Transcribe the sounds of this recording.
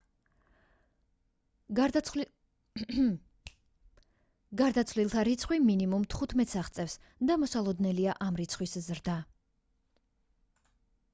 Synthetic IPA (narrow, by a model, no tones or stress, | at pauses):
ɡaɾd̪at̪sʰvlilˠt̪ʰaɾit̪sʰχwiminimumt̪ʰχut̪ʰmɛt̪saχt̪sʼɛfs | d̪amɔsalˠɔd̪nɛliaʔamɾit̪sʰχwiszɾd̪a